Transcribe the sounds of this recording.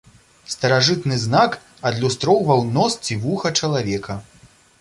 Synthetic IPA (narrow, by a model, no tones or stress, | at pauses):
st̪ɐɾaʐɨt̪nɨznak | ɐd̪lʲust̪ɾɔwvɐwnɔst͡sʲivuxɐt͡ʂɐlˠavʲɛkʰɐ